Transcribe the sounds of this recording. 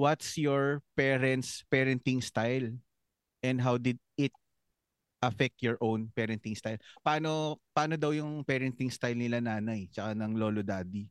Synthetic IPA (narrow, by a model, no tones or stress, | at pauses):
wɐt̪sjɔɹpɛɾɛnt̪spɛɾɛnt̪ɪŋst̪ajl | ʔɛnd̪ɦawd̪ɪd̪̚ɪt̪̚ | ʔɐfɛk̚t̪jɔɹʔõwnpɛɾɛnt̪ɪŋst̪ajlpaːnopaːnod̪ɐwjʊŋpɛɾɛnt̪ɪŋst̪ajlnɪlanaːnɐjt͡ʃɐkanɐŋloːlod̪aːd̪i